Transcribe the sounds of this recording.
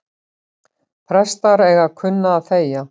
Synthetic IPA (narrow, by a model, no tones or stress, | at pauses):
pʰɾɛst̪aɾɛɣakʰʏnːaːðθeːja